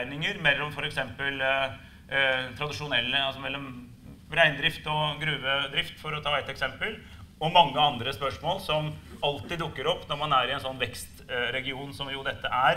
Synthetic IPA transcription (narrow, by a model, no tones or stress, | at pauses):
ɪnɪŋəɾmɛlːɔmfɔɾɛksɛmpəl | t̪ʰɾɑd̪ɪʂʊnɛlːəɑlsɔmɛlːɔm | ʋɾæɪnd̪ɾɪft̪ɔɡɾʉːʋəd̪ɾɪft̪fɔɾɔt̪ʰɑːɛt̪ːɛksɛmpəl | ɔmɑŋːəɑnd̪ɾəspœʂmoːlsɔmɑlt̪ɪd̪ʊkːəɾɔpːnɔɾmɑnæɾɪɛnsɔnːʋɛkst̪ɾɛɡɪuːnsɔmjʊd̪ɛt̪ːəʔæɾ